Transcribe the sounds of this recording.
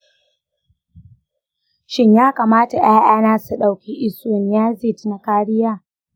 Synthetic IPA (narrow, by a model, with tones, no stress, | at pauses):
ʃɪ˦ɲjaː˦ka˨maː˦ta˨jaː˦ʔaː˦naː˦su˨ɗa˨wkʲi˦ʔɪ˦su˦˨n˨jaː˦zi˦˨tna˨kaː˦ɽɪ˦jaː˦˨